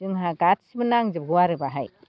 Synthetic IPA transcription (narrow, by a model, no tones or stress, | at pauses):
ɯŋɦaɡat̚simɯnaŋzɯb̚ɡɯwaɾɯbaɦaj